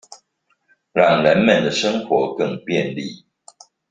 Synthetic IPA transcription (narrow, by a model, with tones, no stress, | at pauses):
ɻɑ˥˨˩ŋɻə˨˦nmə˨˩nd̪ə˩ʂə˥˦ŋxwɔ˨˥˦kə˥˨ŋpjɛ˥˨nlḭ˥˩